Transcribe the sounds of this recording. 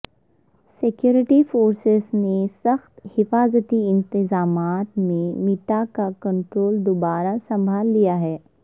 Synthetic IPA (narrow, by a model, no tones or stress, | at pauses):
sɪkjuːɾɪʈifoːɾsɪznesɐxt̪hɪfaːzət̪iɪ̃nt̪ɪzaːmaːt̪mẽmiʈ̪akakɐ̃ɳʈɾoːld̪obaːɾasɐ̃mbʱaːlːijaɦɛː